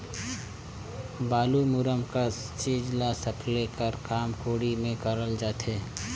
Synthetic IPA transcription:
baːlumʊɾəmka | t͡ʃeːd͡ʒlasəpʰlekəɾkaːmkoːɽimẽkəɾəld͡ʒaːt̪eː

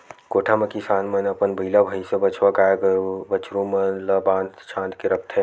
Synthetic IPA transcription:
koːʈʰamɐkisãːnmənɐpənbʱɐilabʱəjsẽbɐt͡ʃʰʋakaːkəɾubət͡ʃɾũmənlɐbãːnd̪t͡ʃʰãːnt̪keɾɐk̚t̪ʰɦɛ̃

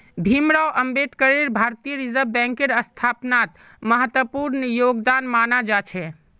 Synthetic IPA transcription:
bʱimɾawʔəmbed̪kəɾiɾbʱaɾt̪ijəɾizəbbɛ̃ŋkeɾəst̪ʰapnat̪ | məɦət̪wəpuɾnjoɡd̪anmanad͡ʒat͡ʃʰɛ

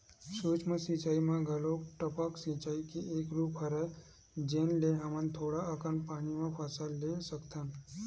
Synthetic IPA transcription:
sut͡ʃməsit͡ʃaːimãɡʱəloʈəpəksĩt͡ʃaːikiekɾupɦəɾe | d͡ʒenleɦamənt̪ʰoːɽaəkənpaːnimãpʰəsalːesəkt̪an

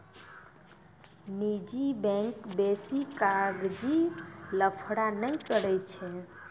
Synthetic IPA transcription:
nid͡ʒibɛ̃ŋkbesikaɡd͡ʒiləpʰɽanəjkəɾɛjt͡ʃʰɛ

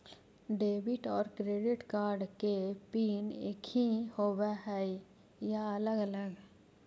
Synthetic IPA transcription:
ɖeːbɪʈɔːɾkɾeːɖɪʈkaːɾɖkepiːneːkʰihoweɦɛi | jaələɡələɡ

